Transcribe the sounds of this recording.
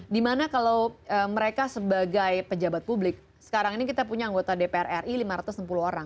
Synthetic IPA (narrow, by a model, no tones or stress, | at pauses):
dimanakalawəməɾekasəbaɡajpəd͡ʒabat̪̚publɪk̚ | sə̥kaɾaŋinikit̪apuɲaːŋɡot̪adepeɛrɛrilimaɾat̪ʊsnəmpuluhoɾaŋ